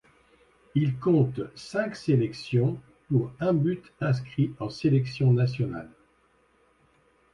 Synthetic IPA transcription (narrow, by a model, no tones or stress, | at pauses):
ilkɔ̃t̪sɛ̃kselɛksjɔ̃ | puʁɛ̃byt̪ɛ̃s̬kχiɑ̃selɛksjɔ̃nasjɔna̰l